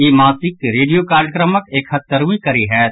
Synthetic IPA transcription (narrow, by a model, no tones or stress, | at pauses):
jeːmãːsɪkːeɾeːɖijokaːɾjəkɾəməkeːkhɐt̪ːəɾũːikɐɾiɦɛː